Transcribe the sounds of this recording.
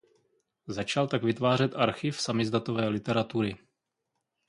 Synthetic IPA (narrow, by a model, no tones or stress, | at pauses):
zat͡ʃalt̪aɡvɪt̪vaːr̝ɛt̪ʔaɾxɪfsamɪzd̪at̪ovɛːlɪt̪ɛɾat̪uɾɪ